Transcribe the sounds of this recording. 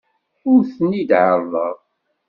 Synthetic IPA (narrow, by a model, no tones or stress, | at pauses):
ʊɾθənid̪ʕəɾðˤəðˤ